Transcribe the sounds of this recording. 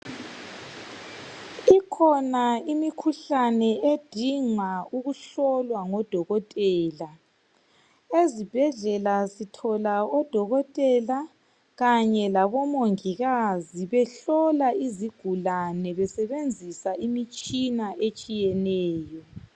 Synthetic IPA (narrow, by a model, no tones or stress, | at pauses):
ikʰɔnaimikʰuɬanɛed̥ʱiŋauɣuɬɔlwaŋɔd̥ʱɔɣɔtʼɛːla | ezib̥ʱɛɮɛlazitʰɔlaɔd̥ʱɔɣɔtʼɛla | ɣaɲɛlaβɔmoŋiɣaziβɛɬɔlaiziɡ̥ʱulanɛβɛsɛβend͡zʱisaimit͡ʃʼinaʔet͡ʃʼijɛnɛːjɔ